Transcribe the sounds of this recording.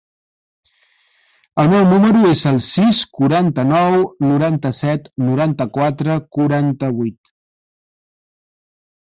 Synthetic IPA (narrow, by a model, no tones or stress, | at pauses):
əlˠmɛwnuməɾuezəlˠsiskuɾant̪ənɔwnuɾant̪əsɛt̪nuɾant̪əkwat̪ɾəkuɾant̪əβ̞ujt̪